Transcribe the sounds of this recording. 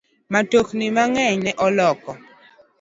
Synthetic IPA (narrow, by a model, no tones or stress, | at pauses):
matoknimaŋɛɲnɛʔɔlɔkɔ